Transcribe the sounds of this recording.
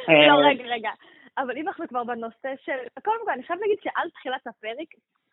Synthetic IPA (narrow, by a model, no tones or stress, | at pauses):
loʁeɡaʁeɡa | ʔavalimanaχnukvaʁbenoseʃelkodemkolaniχajavlaːɡid̪ʃeʔalt̪χilat̪apeʁek